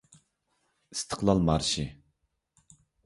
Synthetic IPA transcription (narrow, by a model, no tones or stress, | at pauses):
ɨst̪ʰə̥qlˠɑlˠmɑɾʃɪ